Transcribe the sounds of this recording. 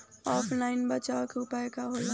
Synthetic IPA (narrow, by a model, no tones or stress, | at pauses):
ɔːpʰlaːɪnbɐt͡ʃakʊpɛkaɦoːla